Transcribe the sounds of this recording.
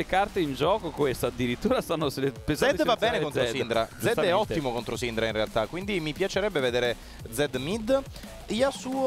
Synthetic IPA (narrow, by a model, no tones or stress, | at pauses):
ekart̪eind͡ʒɔːkokwest̪aad̪ːiɾit̪ːuːɾasanːoselepenszɛd̪svabːɛːnekont̪osind̪ɾad̪zɛd̪ɛɔt̪ːimokont̪ɾosind̪ɾainrealt̪akːwind̪imipjat͡ʃeɾɛbːeved̪eːɾe | d̪zɛd̪mid̪ | iasuːo